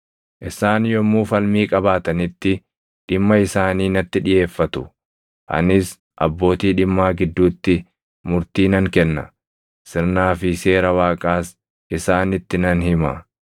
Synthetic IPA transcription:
ʔɪsaːnjɔmːuːfɐlmiːkʼɐbaːt̪ɐnɪt̪ːɪ | ᶑɪmːɐɪsaːniːnɐt̪ːɪᶑɪje̞ːfːɐt̪ʊ | ʔɐ̰nɪs | ʔɐ̰bːo̞ːt̪iːᶑɪmːaːɡɪd̪ːuːt̪ːɪ | mʊɾt̪iːnɐŋkɛnːɐ̰ | sɪɾnaːfɪse̞ːɾɐwaːkʼaːs | ɪsaːnɪt̪ːɪnɐnhɪmɐ̰

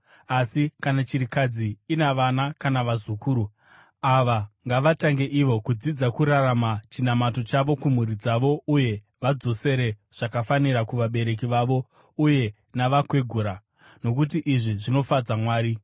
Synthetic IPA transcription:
asikanat͡ʃiɾikad͡ziːnaʋanakanaʋazukʰuːɾu | aʋaŋɡaʋataŋɡe̞ʔiʋo̞kud͡zid͡zakuɾaramat͡ʃinamato̞t͡ʃaʋo̞kum̤uɾid͡zaʋo̞uje̞ | ʋad͡zo̞se̞ɾe̞ | ʐ̥akafaniɾakuʋaɓe̞ɾe̞k̬iʋaʋo̞ | uje̞ | naʋakwe̞ɡʱuɾa | no̞kut̬iʔiʐiʐino̞fad͡zamwaːɾi

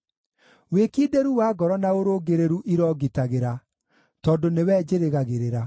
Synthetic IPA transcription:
weːkiːdeɾuwaːɡɔɾɔnaoɾoːɡeɾeɾuʔiɾɔːɣitaɣeɾa | tɔːndonewɛːd͡ʒeɾeɣaɣeɾeɾa

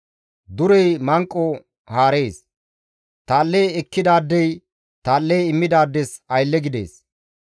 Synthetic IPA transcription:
d̪ʊɾɛjmɐŋkʼːɔ | haːɾe̞ːs | t̪aːlːɛjɛkːɪd̪aːd̪ːɛj | t̪aːlːɛjɪmːɪd̪aːd̪ːɛsɐjlːɛɡɪd̪e̞̰ːs

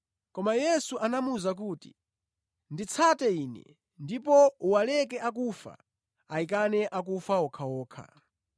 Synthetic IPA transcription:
kɔmajɛsuʔanamuzak̬uːti̥ | ndit͡sʰatɛiːnɛ̰ | ndipɔuwalɛk̬ɛakufa̰ | aik̬anɛʔak̬ufaɔkʰawɔːkʰa̰

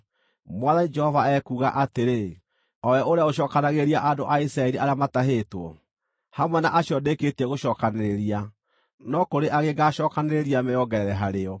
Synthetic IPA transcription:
mwaðanid͡ʒɛhɔvaɛkuɣa̰ʔateɾe | ɔwɛʔoɾeaoʃɔːkanaɣeɾiaʔadoʔaisɾaɛɾiʔaɾjamataɦeːtwɔ | hamwɛnaʔaɕiɔdeketɛɣoʃɔːkaneɾeɾia | nɔkoɾeʔaɣeɡaɕɔːkaneɾeɾiamɛjɔɡɛɾɛɾɛɦaɾeɔ

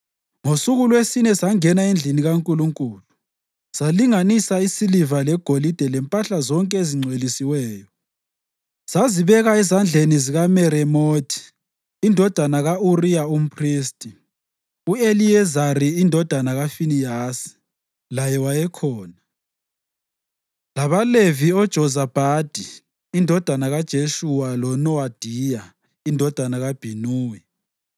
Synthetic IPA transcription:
ŋosuɣulwesinɛsaŋɛnaend͡ɮʱiniɣaŋkʼuluŋkʼuːlu | z̥aliŋanisaisilivalɛɡ̥ʱolid̥ʱɛlɛmpʼaɬazɔŋkʼɛeziŋ͡ǀʱwelisiwɛːjɔ | z̥aziβɛɣaɛzand͡ɮʱeniziɣamɛɾɛmoːtʰi̥ː | ndʱɔd̥ʱanaɣaurijaum̩pʰriːstʼi | ueliɛzaɾiindʱɔd̥ʱanaɣafinijaːsi̥ | lajɛwajɛkʰɔːna | laβaleviɔd̥ʒ̥ʱɔzab̥ʱad̥ʱiː | ndʱɔd̥ʱanaɣad̥ʒ̥ʱeʃuwalɔnɔad̥ʱija | indʱɔd̥ʱanaɣab̥ʱinuːwɛ

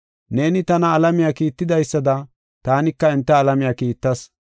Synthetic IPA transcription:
ne̞ːnɪt̪ɐnɐːlɐmɪjakiːt̪ːɪd̪ɐjsːɐd̪ɐ | t̪aːnɪkːɐɛnt̪ːɐːlɐmɪjɐkiːt̪ːɐs

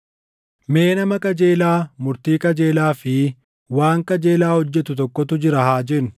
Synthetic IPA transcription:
me̞ːnɐmɐkʼɐd͡ʒe̞ːlaːmʊɾt̪iːkʼɐd͡ʒeːlaːfɪ | waːŋkɐd͡ʒe̞ːlaːhɔd͡ʒːɛt̪ʊt̪ɔkːɔt̪ʊd͡ʒɪɾɐhaːd͡ʒɛnʊ̥

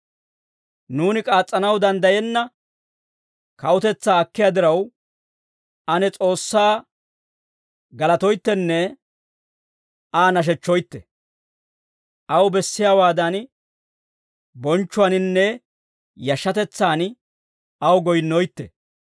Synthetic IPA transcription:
nuːnɪkʼaːt͡sʼːɐnɐwd̪ɐnd̪ɐjɛnːɐ | kɐwʊt̪ɛt͡sːaːɐkːɪjaːd̪ɪɾɐw | ɐnɛt͡sʼo̞ːsːaː | ɡɐlɐt̪ɔjt̪ːɛnːɛ | aːnɐʃ̬ɛt͡ʃːɔjt̪ːɛ̰ | ʔɐwbɛsːɪjaːwaːd̪ɐn | bɔnt͡ʃːʊwɐnɪnːɛ | jɐʃːɐt̪ɛt͡sːaːn | ɐwɡɔjnːɔjt̪ːɛ̰

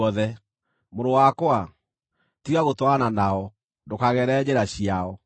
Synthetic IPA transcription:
ɔðɛ | moɾowakwa | tiɣaɣotwananaɔ | dokaɣɛɾɛd͡ʑeɾaɕiaɔ

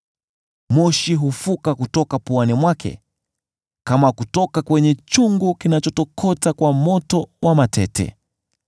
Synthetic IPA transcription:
mɔʃiɦufukakutɔkapuanimwakʰɛ̰ | kamakutɔkakwɛɲɛt͡ʃuŋɡukinat͡ʃɔtɔkʰɔtakwamɔtɔwamatʰɛtʰɛ̰

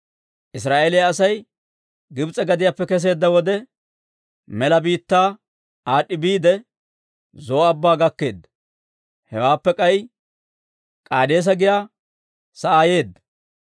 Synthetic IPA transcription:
ʔɪsɾaːʔelɪjaːsɐj | ɡɪbt͡sʼɛɡɐd̪ɪjaːpːɛkɛs̬e̞ːd̪ːɐwɔd̪ɛ | mɛlɐbiːt̪ːaː | aːɗːɪbiːd̪ɛ | zoːɐbːaːɡɐkːe̞ːd̪ːɐ̥ | hɛwaːpːɛkʼɐj | kʼaːd̪eːs̬ɐɡɪjaː | sɐʔaːje̞ːd̪ːɐ̥

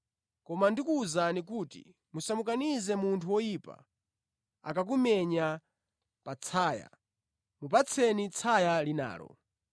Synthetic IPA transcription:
kɔmandikuːzanikuːtḭ | musamukanizɛmuntʰuwɔjipa̰ | a̰kak̬umɛɲa | pat͡sʰaːja̰ | mup̬at͡sʰɛnit͡sʰajalina̰ːlɔ̰

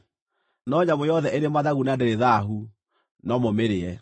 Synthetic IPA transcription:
nɔɲamojɔðɛʔeɾemaðaɣunadeɾeðaɦu | nɔmomeɾeɛ

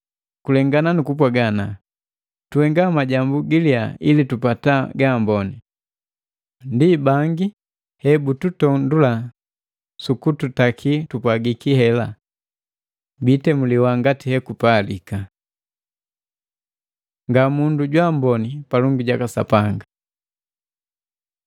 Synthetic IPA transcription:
kulɛŋɡananukup̬waɡana | tuɛŋɡamaɟambuɡiljailitupataɡambɔni | ndibaŋɡi | hɛbututɔndula | sukututakʰitupwaɡikihɛla | bitɛmuliwaŋɡatihɛkupalḭka | ŋɡamunduɟwambɔnipalɔŋɡuɟakasa̰paŋɡa

